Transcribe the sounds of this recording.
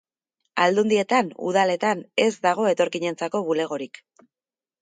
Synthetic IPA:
ald̪und̪ie̞t̪anṵð̞ale̞t̪ane̞zd̪aɣ̞o̞e̞t̪o̞ɾkiɲe̞nt͡sako̞βule̞ɣ̞o̞ɾik

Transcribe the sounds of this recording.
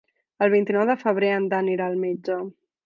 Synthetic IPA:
əlˠβ̞int̪inɔwðəfəβ̞ɾeənd̪aniɾaːlˠmed͡ʒə

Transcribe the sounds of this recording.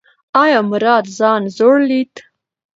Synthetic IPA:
ɑjɑmʊɾɑt̪zɑnzoɽlit̪

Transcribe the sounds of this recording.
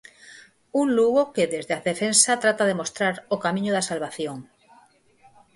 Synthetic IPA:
unluɣokeðezðeaðefẽnsat̪ɾat̪aðemost̪ɾaɾokamĩɲoðasalβaθjoŋ

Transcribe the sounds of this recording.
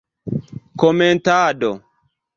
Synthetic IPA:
kɔmentaːdɔ

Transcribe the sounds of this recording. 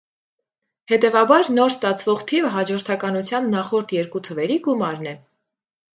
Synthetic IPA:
hɛt̪ɛvɑbɑɾnɔɾst̪ɑt͡sʰvɔʁt̪ʰivəɦɑd͡ʒɔɾt̪ʰɑkɑnut͡sʰjɑnːɑχɔɾt̪ʰjɛɾkut̪ʰəvɛɾiɡumɑɾnɛ

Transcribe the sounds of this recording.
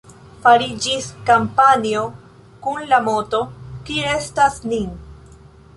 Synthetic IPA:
faɾid͡ʒiskampanio̞ | kunlamo̞to̞kie̞stasnin

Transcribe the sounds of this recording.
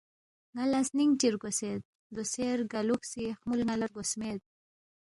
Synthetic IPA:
ŋalasniŋt͡ʃiɾɡosed̪̚ | d̪oseɾɡaluksixmulŋalaɾɡosmed̪̚

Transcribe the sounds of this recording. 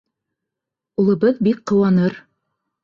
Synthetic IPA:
ulˠɤ̆βɤðbikqɤ̆wɑnɤɾ

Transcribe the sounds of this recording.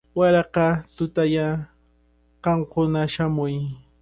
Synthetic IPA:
waɾɑqɑt̪ʊt̪aja | qɑɴkʊnaʃamʊj

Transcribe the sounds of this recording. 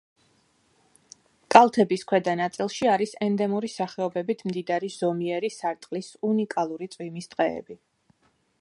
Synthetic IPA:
kʼalˠt̪ʰɛbiskʰwɛd̪anat̪sʼilˠʃiaɾisɛnd̪ɛmuɾisaχɛɔbɛbit̪ʰmd̪id̪aɾiz̥ɔmiɛɾisaɾt̪ʼqʼlisunikʼalˠuɾit̪sʼwimisd̪̥ʼqʼɛ̰ːbi

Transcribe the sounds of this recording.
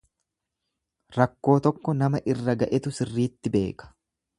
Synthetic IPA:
ɾɐkːo̞ːt̪ɔkːɔnɐmɐʔɪrːɐɡɐʔɛt̪ʊsɪrːiːt̪ːɪbe̞ːkɐ̥

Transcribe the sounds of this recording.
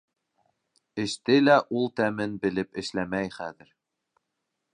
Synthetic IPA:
ɘ̆ʃt̪ɘlæʔulˠt̪æmɘnbɘ̆lɘpɘ̆ʃlæmæjχæðɘ̆ɾ

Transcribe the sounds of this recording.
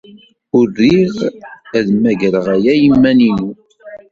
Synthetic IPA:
ʊɾːiʁæðmæʝɾəʁæjæjəmːæninu

